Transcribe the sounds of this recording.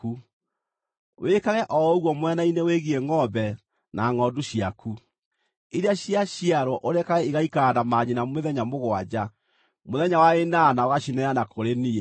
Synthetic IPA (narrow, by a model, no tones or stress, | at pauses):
u | wʔekaɣɛʔɔoɣwɔmwɛnaineweɣiɛŋɔbɛ | naŋɔduɕiakʰu | iɾeaɕiaɕiaɾwɔʔoɾɛkaɣɛiɣaikadamaɲinameðɛɲamoɣwad͡ʑa | moðɛɲawaenanaoɣaɕinɛanakoɾeniɛ